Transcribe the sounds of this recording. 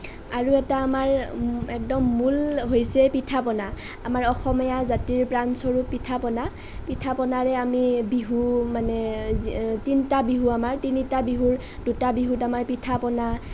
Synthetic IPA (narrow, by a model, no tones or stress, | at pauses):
aɹuɛtaːmaɹɛk̚dɔmːulɦojsɛpitʰapɔna | amaɹɔxɔmijazatiɹpɹansɔɹuppːitʰapɔna | pitʰapɔnaɹɛamibiɦumanɛ | tintabiɦuamaɹtinitabiɦuɹ | dutabiɦutamaɹpitʰapɔna